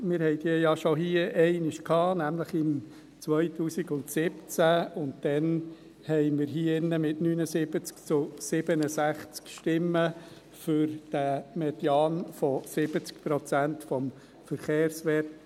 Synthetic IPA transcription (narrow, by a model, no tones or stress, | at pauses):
mɪɾhɛɪdiːjɑʃoɦiəʔɛɪnɪʃkʰhɑːnæmləχɪm | t͡sʋœʏtuːsɪɡʊntsɪpt͡sæʊnt̚d̥ɛn | hɛɪmɪɾɦiːɪnːəmɪtnyːnəsɪbət͡skt͡sʊsɪb̥ənəsæχt͡skʃtɪmːə | fʏɾd̥æmɛdjɑːnfɔsɪb̥ət͡skpɾɔt͡sæntfɔm | fəɾχeːɾsʋɛːt